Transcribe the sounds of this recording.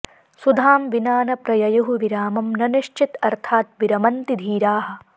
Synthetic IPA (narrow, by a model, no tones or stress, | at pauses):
sud̪ʱaːmʋinaːnɐpɾɐjɐjɐɦuʋiɾaːmɐmnɐniʃt͡ʃit̪ɐɾt̪ʰaːt̪̚ʋiɾɐmɐnt̪id̪ʱiːɾaːɦɐ̆